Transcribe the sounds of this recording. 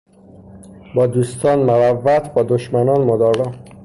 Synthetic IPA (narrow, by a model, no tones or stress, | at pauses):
bɒːd̪ust̪ɒːnmaɾævːæt̪ʰbɒːd̪oʃmænɒːnmod̪ɒːɡɒː